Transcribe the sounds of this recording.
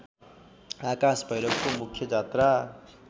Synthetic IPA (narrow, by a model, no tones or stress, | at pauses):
akasbʱʌjɾʌkkomukʰjʌd͡zat̪ra